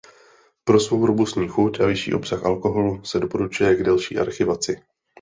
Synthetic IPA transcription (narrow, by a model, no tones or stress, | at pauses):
pɾo̞svo̞wɾobust̪ɲiːxuc̪ʔavɪʃḭːʔo̞psaxʔalko̞ɦo̞lusɛdo̞po̞ɾut͡ʃujɛɡdalʃḭːʔa̰ɾxɪvat͡sɪ